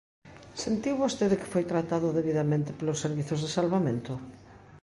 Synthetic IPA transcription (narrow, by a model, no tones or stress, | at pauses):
sent̪iwβost̪eðekɪ̥fojt̪ɾat̪aðʊðeβ̞iðamẽnt̪ɪ̥pelosːeɾβiθozðesalβamẽnt̪ʊ